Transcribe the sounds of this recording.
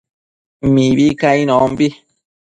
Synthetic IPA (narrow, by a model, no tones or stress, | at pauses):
mĩβikãĩnõmbi